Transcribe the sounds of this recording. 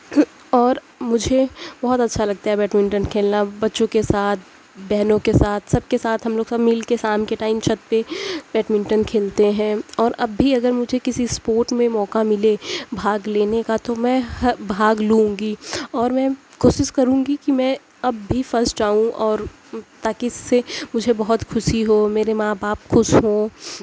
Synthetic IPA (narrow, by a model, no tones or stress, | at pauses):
ɔːɾ | mʊd͡ʒʱebɔɦʊt̪ɐtːʃʰalɐɡ̚t̪aɦɛbɛːʈmɪ̃ɳʈənkʰeːlnabɐtːʃõkesaːt̪̚ʰ | bɛɦnõkesaːt̪ʰsɐb̚kesaːt̪ʰɦɐ̃mloːɡsɐbmɪlkesaːmkeʈaːɪmt͡ʃʰɐt̪ːebɛːʈmɪ̃ɳʈənkʰeːlt̪eɦɛ̃ɔːɾɐbːiɐɡəɾmʊd͡ʒʱekɪsispoːɾʈmẽmɔːkamɪlebʱaːɡleːnekat̪omɛ̃hbʱaːɡluũːŋɡiɔːɾmɛ̃ː | koːʃɪʃkɐɾũːɡikimɛ̃ | ɐbːʱifɐɾsʈaːɦũʔɔːɾ | t̪aːkiɪsːemʊd͡ʒʱebɐɦʊt̪xʰʊʃiɦoːmeːɾemãːbaːpxʊʃɦõː